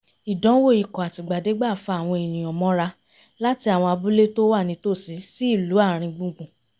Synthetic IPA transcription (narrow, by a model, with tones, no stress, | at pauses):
i˨dɔ̃˨˦wo˦˨i˨kɔ˨a˨ti˨ɡ͡ba˨de˨˦ɡ͡ba˦˨fa˧˨a˨w̃ɔ̃˧i˨nĩ˨ɔ̃˨mɔ̃˨˦ɾa˧ | la˦ti˧a˨w̃ɔ̃˧a˧bu˦le˦to˦wa˦˨nĩ˨˧˦to˦˨si˨˦si˦i˦˨lu˨˦a˦˨ɾ̃ĩ˧ɡ͡bũ˦ɡ͡bũ˨